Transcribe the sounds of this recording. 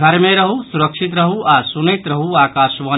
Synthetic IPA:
ɡʱəɾmeɾəɦusuɾəkʃʰit̪ɾəɦuasunəjt̪ɾəɦuakasʋə

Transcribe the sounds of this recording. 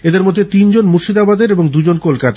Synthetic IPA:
ed̪eɾmod̪ʱːet̪ind͡ʑonmuʃid̪abad̪eɾeboŋd̪ud͡ʑonkolkat̪a

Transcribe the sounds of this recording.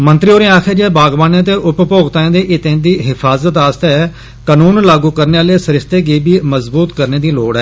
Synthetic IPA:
mə̃nt̪ɾiːoːɾẽːaːkʰed͡ʒeːbaːɡbaːnãːt̪̬eːʔʊppoːɡt̪aːẽːd̪eːʔɪt̪ẽːd̪iːɦɪpʰaːzət̪aːst̪ɛː | kəːnuːnlaːɡuːkəɾneːaːleːsəɾɪst̪eːɡeːbiːməzbuːt̪kəɾneːd̪iːloːɽɛː

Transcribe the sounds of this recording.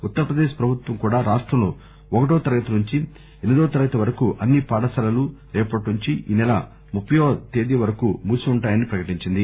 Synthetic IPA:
ut̪ːɐɾɐpɾɐd̪eːʃpɾɐbʱut̪ʋɐŋkuːɽaːɾaːʂʈɾɐmlo̰ː | ɔkɐʈoːt̪ɐɾɐɡɐt̪unuɲt͡ʃi | enid̪oːt̪ɐɾɐɡɐt̪ɐʋɐɾɐkuʔɐnːipaːɽɐsɐlɐlu | eːpɐʈnuɲt͡ʃiʔḭːnɛlɐ̰ | mupʰːjoːt̪e̞ːd̪ijɐʋɐɾɐkuːmuːsiuɳʈaːjɐnipɾɐkɐʈiɲt͡ʃind̪i

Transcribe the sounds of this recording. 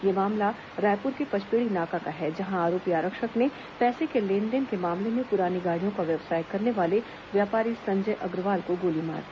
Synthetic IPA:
jemaːmla | ɾaːjpʊɾkepɐt͡ʃʰpeːɭinaːkakaɦɛd͡ʒɐɦãaːɾoːpiaːɾəkʃəknẽ | pɛːsekelẽːnɖənkemaːmlemẽpʊɾaːniɡaːɽijõkaʋjɐʋsaːjkːɐɾneʋaːle | ʋjaːpaːɾisɐ̃ɲd͡ʒəjʔɐɡɾʋaːlkoɡoːlima̰ːɾ

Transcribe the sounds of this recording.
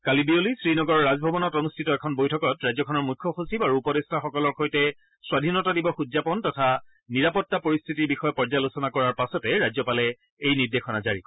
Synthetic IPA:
kalibiolisɹinɔɡɔɹːazbʱɔbɔnɔtonustʰitɔɛkʰɔnbojtʰɔkɔtɹajzɔkʰɔnɔɹmukʰːɔxusibaɹuupɔdestʰaxɔkɔlɔɹkʰojtɛ | swadʱinɔtadibɔxudzapɔntɔtʰa | niɹapɔtːapoɹist̪ʰitiɹbixɔjɔpɔɹzalusɔnakɔɹaɹpasɔtɛɹajzɔpalɛ | ejniɹdexʰɔnazaɹikɔ

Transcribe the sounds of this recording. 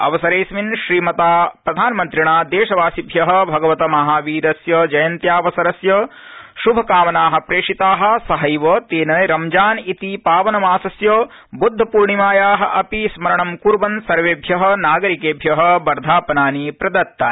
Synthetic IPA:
ɐ̰ʋɐsɐɾeːsminʃɾiːmɐt̪aːpɾɐd̪ʱaːnɐmɐnt̪ɾiɳaːd̪eːʃɐʋaːsibʱjɐɦɐ̆bʱɐɡɐʋɐt̪ɐmɐɦaːʋiːɾɐsjɐd͡ʒɐjɐnt̪jaːʋɐsɐɾɐsjɐʃubʱɐkaːʋɐnaːɦɐ̆pɾeːʂit̪aːɦɐ̆sɐɦɐjʋɐt̪eːnɐjɾɐmd͡ʒaːnit̪ipaːʋɐnɐmaːsɐsjɐ | bud̪ʱːɐpuːɾɳimaːjaːɦɐ̆ʔɐpismɐɾɐɳɐmkuɾʋɐnsɐɾʋeːbʱjɐɦɐ̆naːɡɐɾikeːbʱjɐɦɐbɐɾd̪ʱaːpɐnaːnipɾɐd̪ɐɾt̪ːaːni

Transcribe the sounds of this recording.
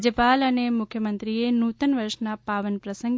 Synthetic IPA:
d͡ʒəpalənemʊkʰjəmənt̪ɾienut̪ənʋəɾʃnapaʋənpɾəsəŋɡ

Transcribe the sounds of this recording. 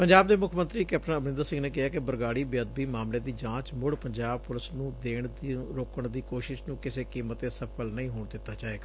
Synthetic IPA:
pəɲd͡ʒaːb̚d̪eːmʊkʰːmə̃nt̪ɾiːkɛːp̚ʈənəbɾɪ̃nd̪əɾsɪ̃ŋɡneːk̬ɪɦaːkɪbəɾɡaːɽiːbjəd̪̚biːmaːmleːd̪iːd͡ʒãːt͡ʃmʊɽpəɲd͡ʒaːbpʊlɪsnũːd̪eːɳɾoːkəɳd̪iːkoːʃɪʃnũːkɪseːkiːmət̪eːsəpʰəlnəĩːɦoːɳd̪ɪt̪ːaːt͡ʃaːeːɡaː

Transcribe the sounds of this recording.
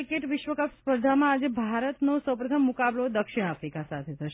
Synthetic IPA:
ikeʈʋɪʃʋəkapspəɾd̪ʱamãːd͡ʒebʱaɾət̪nosəwpɾət̪ʰəmːukablod̪əkʃɪɽ̃afɾikasat̪ʰet̪ʰəʃe

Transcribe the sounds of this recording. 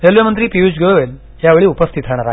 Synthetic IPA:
eljəmənt̪ɾiːpiud͡ʑɡoʋʋel | ɦjaʋeɭiːupəst̪ʰit̪aɽ̃aɾa

